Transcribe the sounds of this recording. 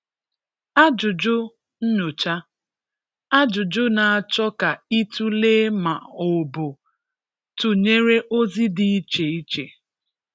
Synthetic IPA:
a˦d͡ʒʊ˨d͡ʒʊ˦ | n̩˦ɲo˨t͡ʃa˦ | a˦d͡ʒʊ˨d͡ʒʊ˦na˨a˨t͡ʃɔ˦ka˨i˦tu˦le˦ma˨o˨bʊ˨ | tʊ˨ɲe˦ɾe˦ʔo˦zi˦di˨i˦t͡ʃe˨i˦t͡ʃe˨

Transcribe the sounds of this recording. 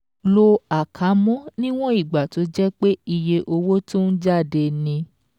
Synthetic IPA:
lo˧a˨kʰa˨˦mɔ̃˦nĩ˦w̃ɔ̃˦i˦˨ɡ͡ba˨to˨˧˦d͡ʒɛ˦k͡pe˦i˧je˧ʔo˧wo˦tũ˦n̩˦d͡ʒa˦˨de˧nĩ˧

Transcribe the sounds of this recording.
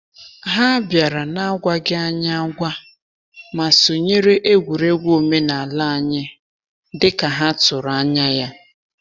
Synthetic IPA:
ɦa˦bja˨ɾa˨na˦ɡʷa˦ɡɪ˦a˦ɲ˦a˦ɡʷa˦ | ma˨so˨ɲe˦ɾe˦ʔe˦ɡʷu˨ɾe˦ɡʷo˨me˦na˨a˨la˦a˦ɲɪ˦ | dɪ˦ka˨ɦa˦tʊ˨ɾa˦ɲa˦ja˦

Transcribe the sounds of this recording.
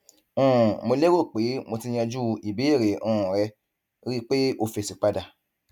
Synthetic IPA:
ũ˦ũ˨mo˧le˦ɾo˦˨k͡pe˨˦mo˧ti˧j̃ɛ̃˧d͡ʒu˦˧i˨bi˨˦e˦˨ɾe˨ʔũ˧˨ũ˨ɾɛ˧ | ɾi˦k͡pe˦o˧fe˨si˨k͡pa˧da˨

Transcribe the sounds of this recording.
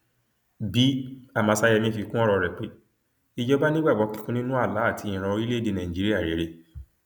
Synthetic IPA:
bi˨˦a˦˨mã˨˧˨sa˧jɛ˧mĩ˧˦fi˧kũ˦ɔ˦ɾɔ˧ɾɛ˨k͡pe˨˦ | i˧d͡ʒɔ˦ba˦nĩ˦ɡ͡bɛ˦˨wɔ˧˦ki˧kũ˦nĩ˦nũ˦a˦˨la˨˦a˦˨ti˧˦ĩ˨ɾ̃ã˧o˧ɾi˦le˦˨de˧nã˨d͡ʒi˦i˦a˦˨ɾe˨˦ɾe˦˨

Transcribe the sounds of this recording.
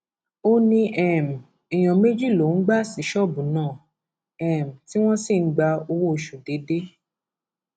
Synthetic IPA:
o˦nĩ˧ʔɛ˨m̩˨ | i˨j̃ɔ̃˨me˦d͡ʒi˦˨lo˨n̩˦ɡ͡ba˦si˨˦ʃɔ˦˨bũ˨nãː˦˨ | ɛ˨m̩˨ti˦w̃ɔ̃˦si˦˨n̩˦ɡ͡ba˧o˧wo˦o˧ʃu˨de˨˦de˦

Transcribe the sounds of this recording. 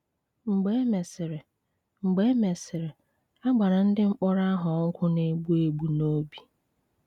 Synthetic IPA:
ŋ͡m̩˨ɡ͡be˦me˨sɪ˨ɾɪ˨ | ŋ͡m̩˨ɡ͡be˦me˨sɪ˨ɾɪ˨ | a˦ɡ͡ba˨ɾa˨n̩˦dɪ˦ŋ͡m̩˦k͡pɔ˦ɾa˦ɦʊ˨ɔ˦ŋ̩˦kʷʰʊ˦ne˦ɡ͡bu˦e˦ɡ͡bu˨no˦bi˨

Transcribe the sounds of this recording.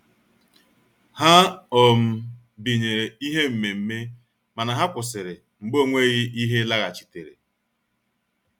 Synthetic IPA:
ha˦ɔ˨m̩˨ | bi˨ɲe˨i˦ɦe˦m̩˨me˨m̩˦me˦ | ma˨na˨ɦa˦kʷʊ˨sɪ˨ɾɪ˨ | ŋ͡m̩˨ɡ͡bo˦˨ŋʷe˦ɣɪ˦i˦ɦe˦la˦ɣa˨t͡ʃi̥˨te˨ɾḛ˨

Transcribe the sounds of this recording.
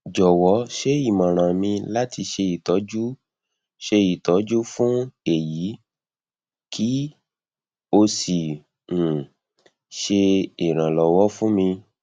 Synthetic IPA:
d͡ʒɔ˨wɔ˨˦ʃe˦i˦˨mã˨ɾ̃ã˨mĩ˧la˦ti˧ʃe˧i˨tɔ˨˦d͡ʒu˦ | ʃe˧i˨tɔ˨˦d͡ʒu˦fũ˦e˨ji˨˦ | kʰi˦ | o˧sĩ˨ | ʃe˧i˨ɾ̃ã˨lɔ˨wɔ˦fũ˦mĩ˧

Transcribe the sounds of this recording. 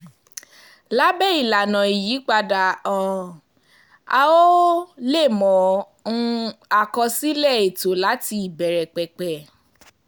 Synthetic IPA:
la˦bɛ˦i˦˨la˨nã˨i˨ji˨˦k͡pa˧da˨ɔ̃˨ | a˧o˦le˦˨mɔ̃˨ | ũ˦a˧kɔ˧si˦lɛ˦˨e˨to˨˦la˨˦ti˧i˨bɛ˨ɾɛ˨k͡pɛ˨k͡pɛ˨

